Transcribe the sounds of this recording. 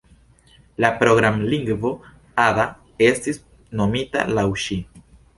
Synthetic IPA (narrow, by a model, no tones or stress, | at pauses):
lapɾoɡɾamliŋɡvo̞ | ad̪a | e̞stis | no̞mita̰lawʃi